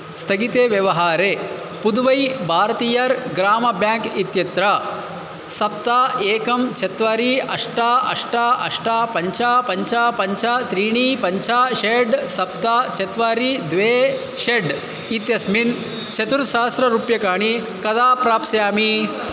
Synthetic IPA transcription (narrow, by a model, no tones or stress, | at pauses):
st̪ʰɐɡit̪eːʋjɐʋɐɦaːɾeː | pud̪ʋɐjbʱaːɾɐt̪iːjɐɾɡɾaːmɐbjaːŋkit̪jɐt̪ɾa | sɐp̚t̪aːeːkɐmt͡ʃʰet̪ʋaːɾiɐʂʈaːɐ̰ʂʈaːʔɐ̰ʂʈaːpɐɲt͡ʃʰaːpɐɲt͡ʃaːpɐɲt͡ʃʰat̪ɾiːɳiːpɐɲt͡ʃʰaːʃeɖsɐp̚t̪aːt͡ʃʰet̪ʋaːɾid̪ʋeː | ʃeɖ | it̪jɐsmin | t͡ʃʰɐt̪uɾʃaːɐst̪ɾɐɾuːpjɐkaːɳ̃i | kɐd̪aːpɾaːpsɐjaːmi